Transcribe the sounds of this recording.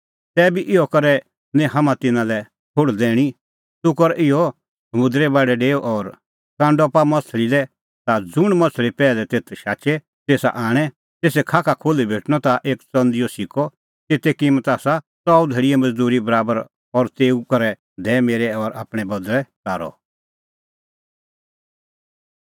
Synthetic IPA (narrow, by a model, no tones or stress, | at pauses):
sɛːbiʔɪɔkɐɾɛ | nɛ̃ɦamãt̪ɪnãlɛ | tʰʊɽd̪ɛːɽ̃i | t̪ʊkɔɾɛʔɪɔ | sɐmʊd̪ɾɛbaːɖɛɖeːɔʔɔɾ | kãːɳɖɔpamɐt̪ʰlilɛ | t̪ad͡zʊɽ̃mɐ̃t͡sʰlipɛːlɛt̪eːt̪ʰʃaːt͡ʃɛ | t̪eːsa̰ʔaːɽ̃ɛ | t̪eːsɛkʰaːkʰakʰoːlibʱeːʈɽ̃ɔt̪aʔeːkt͡sɐ̃nd̪ɪjɔsɪkɔ | t̪eːt̪ɛkɪmət̪aːsa | t͡sɔːud̪ʱeːɽiɛmɐd͡zd̪uːɾibɐɾaːbəɾ | ɔɾt̪eːukɐɾɛ | d̪ɛːmeːɾɛɔɾa̰ːpɽ̃ɛbɐd̪lɛt̪aːɾɔ̰